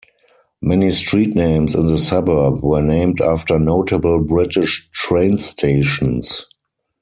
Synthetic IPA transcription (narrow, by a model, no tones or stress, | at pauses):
mɛnistɹiːtnẽɪ̃msɪ̃nðəsabɜ˞bwɜː˞nẽɪ̃mdaftə˞noʊtʰəbəlbɹɪtɪʃtɹẽɪ̃nstʰeɪʃɔ̃ns